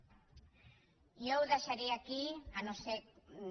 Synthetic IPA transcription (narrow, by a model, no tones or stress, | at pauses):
jowðaʃaɾiakianose